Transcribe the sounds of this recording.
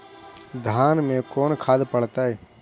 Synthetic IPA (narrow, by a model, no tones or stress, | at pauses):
d̪ʱaːnmẽkɔːnkʰaːd̪pəɽ̤t̪aɦɛː